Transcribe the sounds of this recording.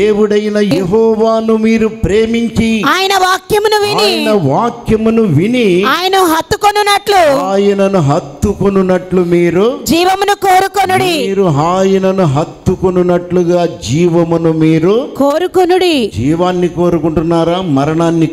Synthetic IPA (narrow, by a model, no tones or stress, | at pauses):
eːwuɽɐjinɐjeɦɔːʋaːnumiːɾupɾe̞ːmiɲt͡ʃiaːjɐnɐʋaːkjɐmunuʋiniːjjɐnɐʋaːkjɐmunuʋiniaːjɐnɐɦɐt̪ːukonːunːɐʈluaːjɐnɐnuɦɐt̪ːukonunɐʈlumiːɾud͡ʒiːʋɐmunukoːɾukonuɽimiːɾuɦaːjɐnɐnuɦɐt̪ːukonunɐʈluɡaːd͡ʒiːʋɐmunumiːɾukoːɾukonuɽid͡ʒiːʋaːnːikoːɾukuɳʈunːaːɾaːmɐɾɐɳaːnːi